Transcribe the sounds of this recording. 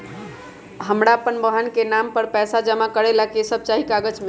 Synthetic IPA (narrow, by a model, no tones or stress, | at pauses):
ɦəmɽaəpənbəɦənkenampəɾpɛsad͡ʒəmakəɾelakesəb̚t͡ʃaɦikaɡəd͡ʒmɪ